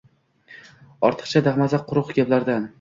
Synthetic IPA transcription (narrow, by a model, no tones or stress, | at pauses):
ɒɾt̪ʰɨ̥χt͡ʃʰad̪aχmazaqʰʊɾʊqɡʲablaɾd̪an